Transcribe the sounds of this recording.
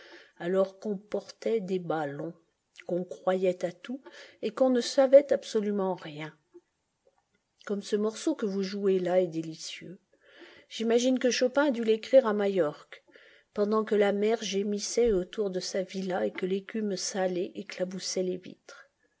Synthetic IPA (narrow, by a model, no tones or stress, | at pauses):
alɔʁkɔ̃pɔʁt̪ɛd̪ebalɔ̃ | kɔ̃kχwajɛt̪at̪uekɔ̃nəsavɛt̪apsɔlymɑ̃ʁjɛ̃ | kɔmsəmɔʁsokəvuʒuelaɛd̪elisjø | ʒ̥imaʒinkəʃɔpɛ̃ad̪ylekχiʁamajɔʁk | pɑ̃d̪ɑ̃kəlamɛʁʒemisɛot̪uʁd̪əsavilaekəlekʲymsalɛʔeklabusɛlevḭt̪χ